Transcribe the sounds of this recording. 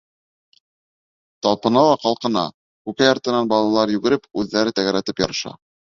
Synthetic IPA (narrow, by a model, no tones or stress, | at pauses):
t̪ɑlˠpɤ̆nɑlˠɑqɑlˠqɤ̆nɑ̰ | kʉkæjɑɾt̪ɤ̆nɑnbɑlˠɑlˠɑɾjʉɡɘ̆ɾɘpʉðːæɾɘt̪æɡæɾæt̪ɘpjɑɾɤ̆ʃɑ̰